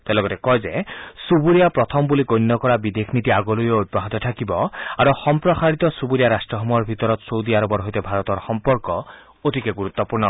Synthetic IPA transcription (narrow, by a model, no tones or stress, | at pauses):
t̪elɔɡɔt̪ekɔjd͡ʒesubuɾiapɾɔt̪ʰɔmbulikojnːɔkɔɾabid̪ekʰnit̪iaɡɔlujoud̪̚baɦɔt̪ɔt̪ʰakibɔaɾoxɔmpɾɔsaɾit̪ɔsubuɾijaɾasʈɾɔɦɔmɔjɔɾbʱit̪ɔɾɔt̪sowd̪iaɾɔbɔɾɦɔjt̪ebʱaɾɔt̪ɔɾxɔmpɔɾkɔ | oʈikeɡuɾut̪ːɔpuɾnɔ